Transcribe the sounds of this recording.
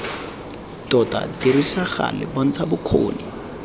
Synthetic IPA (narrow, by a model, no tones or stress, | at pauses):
tɔta̰tirisaχa̰lɪbɔn̩t͡sʰabʊkʰo̰ːni